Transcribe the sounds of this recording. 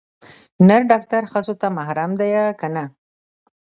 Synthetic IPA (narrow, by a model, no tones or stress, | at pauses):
naɾɖɑk̚t̪aɾxəzot̪amahɾamd̪ajakana